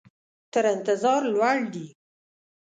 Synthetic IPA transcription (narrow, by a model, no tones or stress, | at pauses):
t̪əɾɪnt̪ɪzɑɾlwaɽd̪i